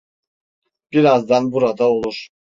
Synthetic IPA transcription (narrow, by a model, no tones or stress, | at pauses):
b̥iɾazd̪anbuɾad̪aolˠuɾ